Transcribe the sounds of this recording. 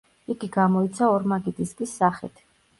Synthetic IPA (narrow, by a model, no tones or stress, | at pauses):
iɡiɡamɔit̪sʰaɔɾmaɡit̪ʼiskʼisːaχɛ̰t̪ʰ